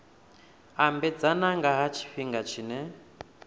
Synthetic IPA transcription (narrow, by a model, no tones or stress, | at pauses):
ambɛd͡zanaŋɡaɦat͡ʃʰi̥ɸiŋɡat͡ʃʰiːnɛ